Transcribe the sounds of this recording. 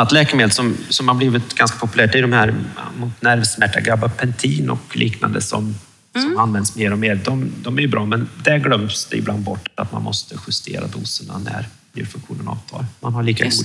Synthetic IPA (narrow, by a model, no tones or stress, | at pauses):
at̪lɛːkəmeːd̪əsɔmsɔmhabliːvɪt̪ɡanskḁpʰɔpɵlæːʈɪd̪ɔmhæːɾmʊt̪næɾvsmæʈːaɡɾabːapʰɛnt̪ʰiːnɔ̰klʔiːkna̰nd̪əsɔ̰m | sɔmmanːvɛnd̪smeːɾɔmeːɾd̪ɔmd̪ɔmæɾjɵbɾɑːmɛnd̪æɡlœmsd̪ɛɪbland̪̚bɔʈːat̪ma̰nmʔɔst̪əɧɪst̪ʰḛːɾa̰d̪uːsəɳa̰næ̰ɾb̪ɪɾfɵŋkɧuːnənɑ̰ːvt̪ʰɑ̰ːɾmanhaɭiːkaɡɡuː